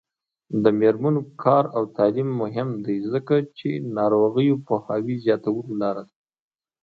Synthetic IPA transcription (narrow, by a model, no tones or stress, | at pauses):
d̪əmeɾmanokʰɑɾawt̪alimːʊɦɪmd̪ajzəkat͡ʃenɑɾoɣəjopəhɑwizjɑt̪awəlolɑɾad̪a